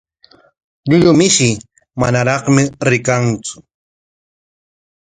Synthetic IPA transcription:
ʎʊʎʊmɪʃɪ | manaɾɑχmɪɾɪkant͡sʊ̥

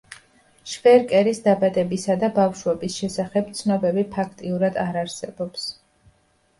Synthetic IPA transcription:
ʃvɛɾkʼɛɾisd̪abad̪ɛbisad̪abafʃwɛbisʃɛsaχɛb̚t̪sʰnɔbɛbipʰakʰt̪ʼiuɾad̪aɾaɾsɛbɔps

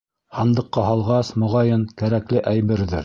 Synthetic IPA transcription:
hɑnd̪ɤ̆qːɑɦɑlˠʁɑsmŏʁɑjɤnkæɾæklɘʔæjβɘ̆ɾðɘ̰ɾ

